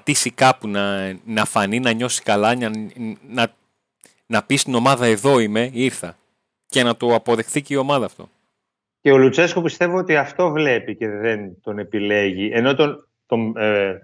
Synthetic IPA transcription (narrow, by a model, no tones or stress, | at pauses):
t̪isikɐpunɐnɐfɐninɐɲo̞si̥kɐlɐɐnɐ | nɐpist̪ino̞mɐðɐe̞ðo̞ime̞iɾθɐ | ce̞nɐt̪oɐpo̞ðe̞xθiceio̞mɐðɐːft̪o̞̰ | ce̞olut͡se̞skopist̪e̞viot̪iɐft̪o̞vle̞pice̞ðent̪o̞ne̞pile̞ʝiʔeno̞t̪on | t̪o̞m